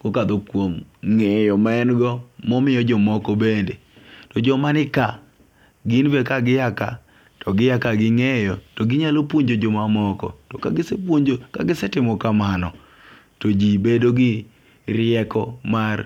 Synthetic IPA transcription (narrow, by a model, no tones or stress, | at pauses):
kokad̪okwomŋɛjɔmaɛnɡɔmɔmɪjɔd͡ʒɔmɔkɔbende | tɔd͡ʒɔmanɪka | ɡɪnvekaɡɪjaka̰ | tɔɡɪjakaɡɪŋejɔtoɡɪɲalopwoɲd͡ʒod͡ʒɔmamɔkɔ̰tɔkaɡɪsepwoɲd͡ʒoka̰ɡɪsɛtɪmɔkamanɔ | tod͡ʒibedoɡɪ | rɪɛkɔmar